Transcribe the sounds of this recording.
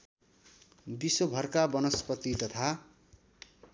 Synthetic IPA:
biswobʱʌrkabʌnʌspʌt̪it̪ʌt̪ʰa

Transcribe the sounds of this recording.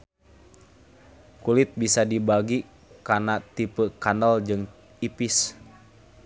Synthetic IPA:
kulit̪̚bisadibaɡi | kanat̪ipəkanɔld͡ʒɨŋ | ipis

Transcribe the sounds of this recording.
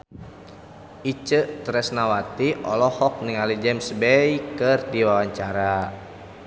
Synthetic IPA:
it͡ʃəʔt̪ɾɛsnawat̪iʔɔlɔhɔk̚niŋalid͡ʒɛmsbɛjkɨrdiwawaɲt͡ʃaɾa

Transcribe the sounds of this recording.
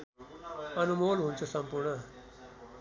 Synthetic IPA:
ɐnumoːlɦũnt͡ʃʰusɐmpuɾɳɐ

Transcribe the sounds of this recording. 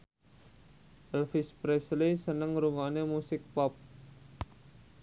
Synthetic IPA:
ʔɛlfɪspɾɛslisənəŋɾuŋanemusɪk̚pɔp̚

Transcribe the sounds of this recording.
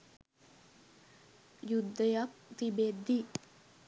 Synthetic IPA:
jud̪ːəjak̚t̪ibed̪ːi

